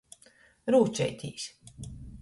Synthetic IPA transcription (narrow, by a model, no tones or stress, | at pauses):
ɾuːt͡ʃɛ̰jt̪ʰʲḭːs